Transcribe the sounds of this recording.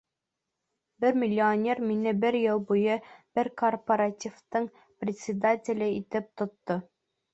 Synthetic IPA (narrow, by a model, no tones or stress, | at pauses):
bɘɾmʲɪlʲːɪonʲe̞rminɘbɘɾjɤlˠbujɤb̥ɘɾkorpɐɾatʲift̪ɤɴ | prʲɪt̪ʲsʲɪd̪atʲɪlʲɘit̪ɘp̚t̪ŏt̪ːo